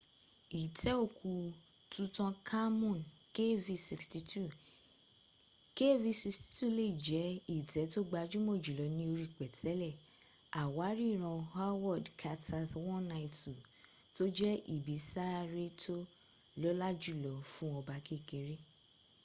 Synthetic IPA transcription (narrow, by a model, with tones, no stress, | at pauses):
i˨tɛ˦o˦˨ku˨˧ | tʰũ˧˦tɔ̃˧kʰa˦mũ˦˨n | ke˦vi˧si˧ksti˧tu˦˨ | ke˦vi˧si˧ksti̥˧tu˦˨le˦˨i˨d͡ʒɛ˨˦i˨tɛ˨˦to˦ɡ͡ba˧d͡ʒu˦mo˦˨d͡ʒu˨lɔ˨˦nĩ˧˦o˧ɾi˦˨k͡pɛ˨tʰɛ˨˦lɛ˦˨ | a˨wa˨˦ɾi˦˨ɾ̃ɔ̃˧ha˦wɔ˦˨dkʰa˧tʰa˧swɔ̃˦na˧i˨tu˨ | to˦d͡ʒɛ˦ʔi˨bi˨˦sa˦˧ɾe˦tʰo˦ | lɔ˦la˦d͡ʒu˦˨lɔ˨˦fũ˦ɔ˧ba˧˦ke˦˨ke˨˦ɾe˦